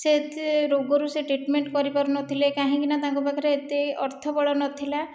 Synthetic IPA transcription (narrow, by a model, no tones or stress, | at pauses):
set̪ɾoɡɔɾuseʈɾiʈmeɳʈkɔɾipaɾunɔt̪ʰilekaɦĩkinat̪ãŋkɔbakʰɔɾeet̪eɔɾt̪ʰɔbɔɭɔnɔt̪ʰila